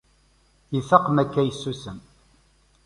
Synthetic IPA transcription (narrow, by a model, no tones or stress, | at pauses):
iθɑqmækːæjəsːusəm